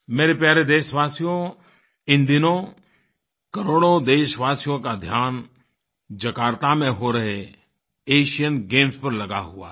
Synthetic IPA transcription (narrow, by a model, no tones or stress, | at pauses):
meːɾepjaːɾed̪eːʃʋaːsijõ | ɪ̃nd̪ɪnõ | kəɾoːɽõd̪eːʃʋaːsijõkad̪ʱjaːn | d͡ʒɐkaːɾt̪amẽɦoɾɐɦe | eːʃijənɡẽːmspəɾlɐɡaɦʊa̰ː